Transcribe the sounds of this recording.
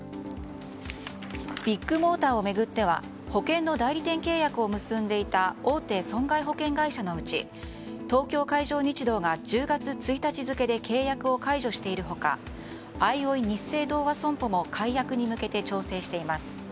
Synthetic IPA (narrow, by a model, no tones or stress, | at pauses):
b̥ʲikːɯ̟mo̞ːt̪aːo̞me̞ɡɯ̟t̪ːe̞βa̰ | ho̞kẽ̞nːo̞d̪aiɾʲit̪ẽ̞ŋke̞ːjakɯ̟o̞mɯ̟sɨ̃nd̪e̞it̪ao̞ːt̪e̞ːsõ̞ŋɡaiɦo̞kẽ̞ŋɡaiɕano̞ɯ̟t͡ɕḭ | t̪o̞ːkʲo̞ːkaiʑo̞ːɲ̟it͡ɕid̪o̞ːɡad͡ʑɨːɡat͡sɨt͡sɨit̪at͡ɕizɨke̞d̪e̞kʰe̞ːjakɯ̟o̞kaiʑo̞ɕi̥t̪e̞iɾɯ̟ɦo̞ka̰ | aio̞iɲ̟ise̞ːd̪o̞ːβasõ̞mpomo̞kʰaijakɯ̟ɲ̟imɯ̟ke̞t̪e̞t͡ɕo̞ːse̞ːɕi̥t̪e̞imasɨ̥